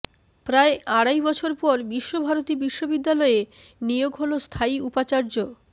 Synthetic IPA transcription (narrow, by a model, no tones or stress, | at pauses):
pɾaeaɽajbɔt͡ɕʰoɾpɔɾbiʃːobʱaɾot̪ibiʃːobid̪ːalɔenijoɡɦolost̪ʰaiupat͡ɕaɾd͡ʑo